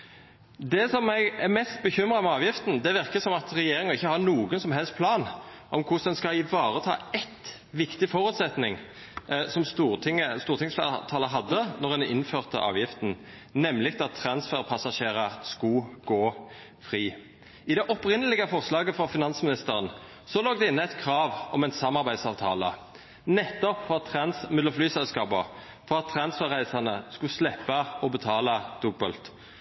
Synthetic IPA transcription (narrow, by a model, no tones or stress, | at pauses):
d̪ɛsɔmːæɪɡɛɾmɛst̪̚bəçʏmʁɑmɛɑːʋjɪft̪n̩d̪ɛʋɪʁkəsɔmɑt̪ʁɛjeːɾɪŋɑɪçːəhɑnuːɡənsɔmɦɛlst̪pʰlɑːnʔɔmkʰʊsd̪ɛnskɑɪʋɑːʁət̪ʰɑ̰ːɛt̪ | ʋɪkt̪ɪfɔɾʉːt̪sɛt̪nɪŋ | sɔmst̪uːʁt̪ɪŋəst̪uːʁt̪ɪŋsflːt̪ʰɑːləɦɑd̪ːənɔʁɛnɪ̰nføːʁt̪ə̰ʔɑ̰ːʋjɪft̪n̩ | nɛmːlɪkt̪ɑt̪ʰːɾɑnsfɛʁpʰɑsɑʃeːɾɑskʊɡ̥oː | fʁiː | ɪd̪ɛʔɔpʁɪnəlɪɡəfɔʁslɑːɡəfɔfɪnɑnsmɪnɪst̪əʁən | sɔloːɡ̚d̪ɛɪnːəæɪt̪kʰʁɑːʋɔmɛɪnsɑmɑʁbæɪd̪sɑːʋt̪ʰɑːlə̰ | nɛt̪ːɔpfɔɑt̪ʰːɾɑnsmʏd̪ləflyːsɛlskɑːbə | fɔʁɑt̪ʰːɾɑnsfɛʁæɪsɑnəskʊslɛpːɑɔbət̪ʰɑːlɑd̪̥ʉbəlt̪